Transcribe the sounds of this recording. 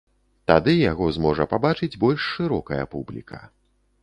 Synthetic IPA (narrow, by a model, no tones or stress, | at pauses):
t̪ad̪ɨjaɣɔzmɔʐɐpabat͡ʂɨd͡zʲbɔlʲʂːɨɾɔkɐjɐ̰publʲḭkʰɐ̥